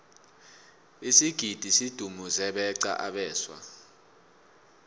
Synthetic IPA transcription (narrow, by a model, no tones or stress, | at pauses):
isiɡ̥ʱid̥ʱisid̥ʱumuzɛɓɛǀa̰ʔaɓɛːswa̰